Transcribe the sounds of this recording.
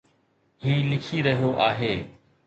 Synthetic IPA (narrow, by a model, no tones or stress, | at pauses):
ɦiːlɪkʰiːɾəɦijoʔaːɦeː